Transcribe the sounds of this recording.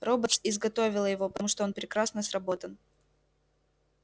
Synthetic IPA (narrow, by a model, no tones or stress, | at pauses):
robət̪sɪzɡɐt̪o̞vʲɪlˠəjɪvo̞pə̥t̪ɐmuʂt̪oonpɾʲɪkɾasnəsrɐbo̞t̪ən